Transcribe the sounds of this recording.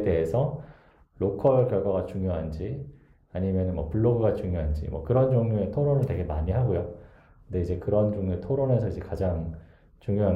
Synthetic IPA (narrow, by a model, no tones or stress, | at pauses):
de̞ɦesʰʌ | lokʰʌkjʌɭɡwaɡat͡ɕuŋjoɦand͡ʑi | aɲimjʌnɯnmwʌ̰puɭːoɡɯɡat͡ɕuŋjoɦand͡ʑḭmwʌ̰kɯɾʌnd͡ʑʌŋɲuetʰoɾonɯɭtwe̞ɡe̞maɲiɦaɡojo | kɯnde̞id͡ʑe̞kɯɾʌnd͡ʑoŋɲoetʰoɾone̞sʰʌid͡ʑe̞kad͡ʑaŋ | t͡ɕuŋjoɦa